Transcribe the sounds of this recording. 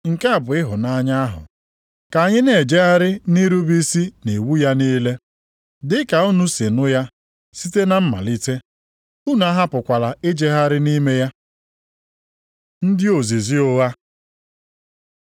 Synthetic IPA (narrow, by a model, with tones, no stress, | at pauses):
ŋ̩˨ka˦a˨bʊ˨ɪ˦ɦʊ˨na˦ɲa˦a˦ɦʊ̰˨ | ka˨a˨ɲɪ˦ne˨d͡ʒe˦ɦa˦ɾɪ˦ni˦ɾu˦bi˦si˦ne˨wu˦ja˦niː˦le˦ | dɪ˦ka˨u˦nu˦se˨nʊ˦ja˦ | si˦te˦na˦m̩˦ma̰˨li˦te˦ | u˦nu˨˦a˦ɦa˦pʊ˨kʷa˨la˨ɪ˦d͡ʒe˦ɦa˦ɾɪ˦ni˦me˦ja˦ | n̩˦dɪ˦o˨ze˨zi˦ʊ˦ɣa˦